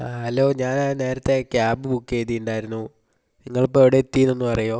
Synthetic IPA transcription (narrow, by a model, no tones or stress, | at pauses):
aɐlːo̞ːɲaːnane̞ːɾɐt̪ːe̞kjaːbɨbukːeːt̪ːijuɳɖaːjiɾunːu | niŋːɐɭop̬ːoeʋiɽeːt̪ːijunonːupɐrɐjo̞ː